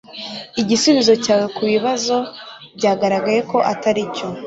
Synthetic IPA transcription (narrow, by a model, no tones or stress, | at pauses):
iɟisuβizo̞caːwekuβiβazo̞bɟaːɡaɾaɡaje̞ko̞ʔataɾico